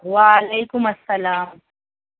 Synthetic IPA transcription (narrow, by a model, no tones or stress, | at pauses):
waːlajkʊmasːalaːm